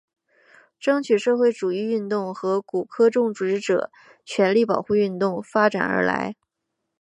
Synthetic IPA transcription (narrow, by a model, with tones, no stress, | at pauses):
ʈ͡ʂɤ˥ŋt͡ɕʰy˨˩ʂɤ˥˧xwe˥˩ɪʈ͡ʂu˨˩i˥˧y˥˧nt̪ʊ˥˩ŋxɤ˧˥ku˨˩kʰɤ˥ʈ͡ʂʊ˥˩ŋʈ͡ʂu˧˩ʈ͡ʂɻ̩˥˩ʈ͡ʂɤ̰˨˩ | t͡ɕʰɥɛ˧˥nli˥˩pɑ˨˩ʊxu˥˧y˥˧nt̪ʊ˥˩ŋfa˥ʈ͡ʂa̰˨˩nə̰˞˧˥la̰˧˥ɪ